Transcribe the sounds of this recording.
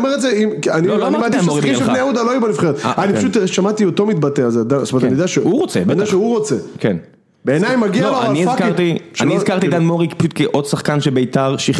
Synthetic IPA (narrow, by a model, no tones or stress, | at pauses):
omeʁetzeimanioanibat̪iʃiiʃbneaud̪aloajubalifχeʁet̪anipaʃut̪ʃamat̪ioto̞mit̪̚bateazed̪astometanijdeaʃeuʁot͡sed̪eaʃeuʁo̞t͡seken | beːnajmaɡialoanizakt̪iʃanizkaʁt̪id̪anmoʁikpaʃut̪keʔo̞d̪saχkanʃebeit̪aʁʃiχ